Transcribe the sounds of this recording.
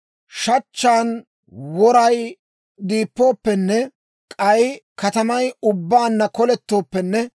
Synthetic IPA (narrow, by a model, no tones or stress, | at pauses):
ʃɐt͡ʃːaːn | wɔɾɐj | d̪iːpːo̞ːpːɛnːɛ | kʼɐjkɐt̪ɐmɐjʊbːaːnːɐkɔlɛt̪ːo̞ːpːɛnːɛ